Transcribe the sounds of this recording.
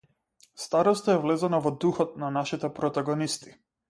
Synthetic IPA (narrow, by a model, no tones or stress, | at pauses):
st̪aɾɔst̪aɛvlɛzanavɔd̪uxɔt̪̚nanaʃit̪ɛpɾɔt̪aɡɔnist̪i̥